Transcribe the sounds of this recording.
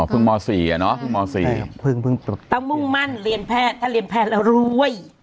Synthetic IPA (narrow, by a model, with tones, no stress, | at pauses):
pʰɯ˧ŋmɔː˧siː˨˩a˨˩nɔ˦˥pʰɯ˧ŋmɔː˧sḭː˨˩pʰɯ˧ŋpʰɯ˧ŋt̪aː˧˩wŋmu˥˩ŋma˥˩˨nɾi˧əmpʰɛː˥˩t̪ʰaː˥˩ɾi˧əmpʰɛː˧˥˩ɾa˧wɾuː˦˥ə˨j